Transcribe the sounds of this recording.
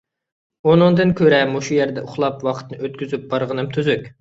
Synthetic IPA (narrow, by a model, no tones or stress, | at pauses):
onɨŋd̪ɨnkʲʰøɾɛmuʃujæɾd̪ɛʊχlˠɑpwɑqʰə̥t̪nɨøt̪̚kʲyzyp̚b̥ɑɾʁənɨmt̪ʰyzykʲ